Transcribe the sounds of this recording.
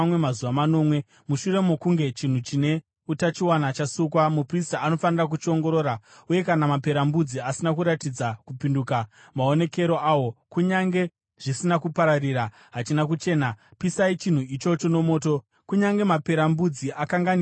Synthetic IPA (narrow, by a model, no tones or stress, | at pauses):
wemazuʋamano̞mwe̞ | muʃure̞mokuŋɡe̞t͡ʃin̤ut͡ʃine̞ | utat͡ʃiwanat͡ʃasukwamupristaːno̞fanirak̬ut͡ʃio̞ŋɡo̞ɾo̞ːɾauje̞kanamape̞ɾambud͡ziasinakuɾatid͡zakupinduka | mao̞ne̞ke̞ɾo̞ʔaːwo̞kuɲaŋɡe̞ | ʐ̥isinakupaɾariːɾa | ɦat͡ʃinakut͡ʃe̞ːnapisait͡ʃin̤uit͡ʃo̞t͡ʃo̞no̞mo̞ːto̞ | kuɲaŋɡe̞mape̞ɾambud͡ziʔakaŋɡan